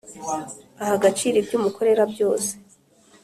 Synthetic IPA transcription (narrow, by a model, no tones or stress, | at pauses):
ahaɡat͡ʃiːɾibɟumukʰo̞ɾe̞ɾabjo̞ːse̥